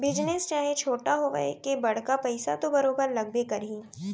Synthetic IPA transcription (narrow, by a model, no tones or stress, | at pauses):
bɪd͡ʒnest͡ʃaːɦet͡ʃʰoːʈaɦoɡɐ̰ekebɐɽ̤kapɐɪsat̪obɐɾoːbəɾlɐɡ̚bekɐɾɦĩː